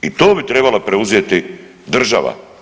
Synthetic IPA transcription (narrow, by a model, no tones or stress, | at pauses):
it̪o̞ːbit̪ɾe̞balapɾeuzjet̪i | d̪r̩ʒa̰ʋa̰